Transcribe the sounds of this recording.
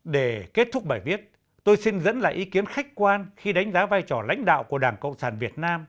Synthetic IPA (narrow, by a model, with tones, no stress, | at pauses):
ɗe˧˩ke˦˥t̚t̪ʰʊ˦˥k͡p̚ɓaː˧˩jvi˦˥ət̚ | t̪o˧jsi˧nzə̰˧˥nla̰ː˧˨ʔi˨˦ki˨˦ənxa˦˥k̟̚kwaː˧nxi˧ɗa˨˦jŋ̟zaː˨˦vaː˧jt͡ɕɔ˧˩la̰˧˥jŋ̟ɗa̰ː˧˨wku˧˩əɗaː˧˩ŋkə̰˧˨wŋ͡msaː˧˩nvi˨˩ət̚naː˧m